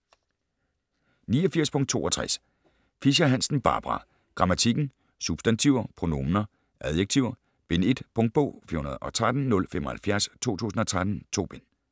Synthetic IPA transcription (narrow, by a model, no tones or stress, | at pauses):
niːɒfiɐ̰spʰɔ̽ŋ̰d̥̚t͡sʰo̝̰ːɒ̽t͡sʰʁas | fiɕæɦæn̰sn̩b̥ɑ̈ːb̥ʁɑ̈ | ɡ̥ʁɑ̈mæt͡sʰiɡ̥n̩ | sub̥sd̥ænt͡sʰiʊ̰ɐpʰʁo̝no̝mnɐ | ʔæðˠjeɡ̥̚t͡sʰiʊ̰ɐ | b̥e̝ne̝d̥pʰɔ̽ŋd̥̚b̥ɔ̰̽ʊ̰fḭhunɐðˠʔɒ̽t͡sʰʁad̥n̩ːɔ̽lfemɒ̽hælfjæɐst͡sʰo̝̰ːt͡sʰṵːsn̩ɒ̽t͡sʰʁad̥n̩t͡sʰo̝̰ːb̥en